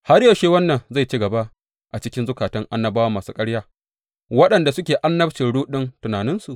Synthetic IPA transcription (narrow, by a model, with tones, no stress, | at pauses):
ha˦ɽjɐ˨ʃeː˦wɐ˦nːɐ˨nza˦˨t͡ʃi˦ɡɐ˨ba˦ʔ | ʔa˨t͡ʃɪ˦kʲɪ˦nzʊ˦kaː˨tɪ˦ŋʔa˦nːɐ˦˨baː˦waː˦maː˨suː˦kʼɐ˦ɽjaː˦ | wɐ˦ɗɐ˨nda˨sʊ˦kʲeː˨ʔa˦nːɐ˦bt͡ʃɪ˨nɽuː˦ɗɪ˦ntʊ˨naː˨nɪ˦nsu˨ʔ